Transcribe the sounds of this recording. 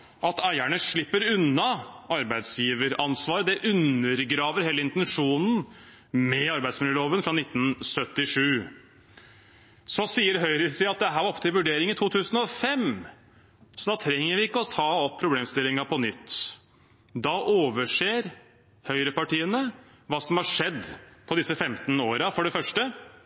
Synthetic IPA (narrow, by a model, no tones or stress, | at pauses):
ʔɑt̪æɪæɳəʂɭɪpːəɾʉnːɑɑɾbæɪd̪sjiːʋəɾɑnsʋɑːɾəd̪ɛʔʉnːəɾɡɾɑːʋəɾheːləɪnt̪ɛnʂuːnn̩ | mɛɑɾbæɪd̪smɪljəloːʋənfɾɑnɪt̪ːn̩sœt̪ːɪʂʉː | sɔsiːəɾɦœʏɾəsɪːɑt̪̚d̪ɛɦæːɾɔpə̥t̪ʰɪlʋʉɖeːɾɪŋənt̪ʰuːt̪ʰʉːsən̩ɔfɛm | sɔd̪ɑːt̪ʰɾɛŋːəɾʋɪɪkːəɔt̪ʰɑːɔpːʰɾʊbleːmst̪ɪlːɪŋɑpʰɔnʏt̪ː | d̪ɑʔoːʋəʂeːɾ | hœʏɾəpɑʈiːənə | ʋɑːsɔmhɑʂɛd̪pʰɔd̪ɪsːəfɛmt̪n̩oːɾɑfɔɖɛfœʂʈə